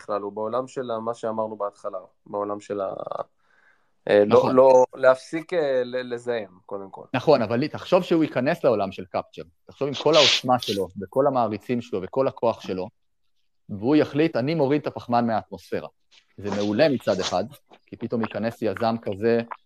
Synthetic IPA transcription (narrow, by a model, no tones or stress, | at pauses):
iχlalubeolamʃelamaʃeamaʁnubeat̪χala | beolamʃela̰ | ʔelnololeafsikelelezajemkod̪emko̞̰lnaχo̞navalit̪aχʃo̞vʃeuikane̞sleo̞lamʃe̞lkapt͡ʃe̞ʁtaχʃo̞vimkʰo̞lao̞smaʃe̞lo̞veko̞lhamaːʁit͡simʃelo̞veko̞lakʰo̞aχʃe̞lo̞ | veujaχlitanimo̞ʁid̪̚t̪apaχmanmeaːt̪mo̞sfe̞ʁa̰ | zeme̞ule̞mit͡sad̪e̞χad̪kipit̪o̞mjikane̞sjazamkaze̞